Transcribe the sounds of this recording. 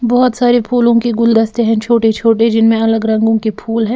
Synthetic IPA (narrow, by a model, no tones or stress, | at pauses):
bɔɦɔt̪saːɾepʰuːlõkiɡʊld̪ɐst̪eɦɛ̃t͡ʃʰoːʈet͡ʃʰoːʈed͡ʒɪnmẽɐləɡɾɐ̃ŋɡõkipʰuːlɦɛ̃ː